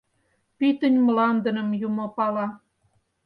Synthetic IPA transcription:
pit̪ənʲmlɑnd̪ə̆nə̆mjumopɑlɑ

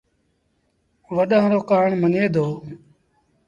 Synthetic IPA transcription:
ʋəɗãːɾoːkaːɳməneːd̪ʱoː

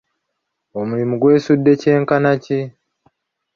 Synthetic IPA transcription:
omuɾimuɡwe̞ːsudːe̞ce̞ːŋkanaci

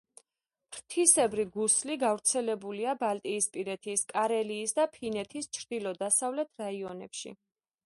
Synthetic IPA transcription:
pʰɾt̪ʰisɛbɾiɡusliɡavɾt̪sʰɛlɛbuliabalt̪ʼiːspʼiɾɛt̪ʰiskʼaɾɛliːsd̪apʰinɛt̪ʰist͡ʃʰɾd̪̥ilɔd̪asavlɛt̪ʰɾaiɔnɛ̰pʃḭ

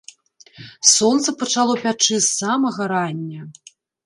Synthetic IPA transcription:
sɔnt̪sɐpɐt͡ʂalˠɔpʲat͡ʂɨsamɐɣɐɾanʲːɐ

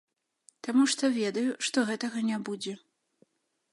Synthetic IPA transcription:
t̪amuʂt̪ɔvʲɛd̪ɐjuʂt̪ɔɣɛt̪ɐɣɐnʲabud͡zʲɛ

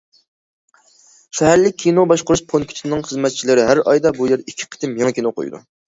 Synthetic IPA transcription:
ʃɛɦæɾlɪk̚ʲʰːinobɑʃqʊɾuʃpʰonkʲʰy̥t̪ʰnɨŋχəzmɛt̪̚t͡ʃʰilɪɾɪɦæɾɑ̰jd̪ɑbujeɾikʲʰːi̥qʰə̥t̪ʰɪmjɑŋkʲʰinoqʰo̰jṵd̪ṵ

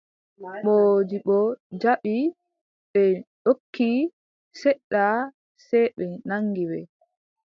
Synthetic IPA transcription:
ɓod͡ʒiɓɔd͡ʒaɓi | ɓɛɗokʰːi | sɛɗːa | sɛjɓɛnaŋɡiwɛ

